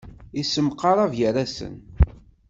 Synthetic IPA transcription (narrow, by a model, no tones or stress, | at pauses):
isːəmqːɑɾˤɑvjəɾæsə̰n